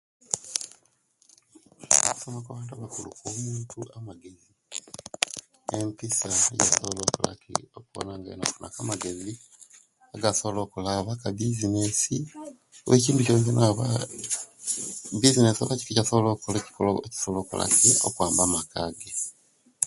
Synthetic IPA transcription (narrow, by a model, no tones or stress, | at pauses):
ku̥somakaβaːntaβakulṵkoːmuːntuʔamaɡe̞zi | empisaja̰soβoloːkula̰kḭokuβo̰naŋɡa̰ino̰kunʔa̰kamaɡe̞zi | aɡaso̞βo̞lo̞ːkulaːβakabizinesi | weciːntucoɲɟonaβa | bizinesaβaci̥ficasoβolokoloci̥koloci̥soβloːkula̰kʰiokwaːmbamakaɡe